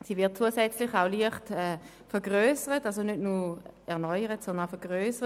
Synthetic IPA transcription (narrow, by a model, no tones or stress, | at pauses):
siːvɪɐt̚t͡suːəsɛt͡slɪχaʊliəχtɛː | fɛʁɡʁøːsəʁətals̬onødnuɛɐnɔʏəʁətsɔndənfɛɐɡ̥ʁøːsəʁə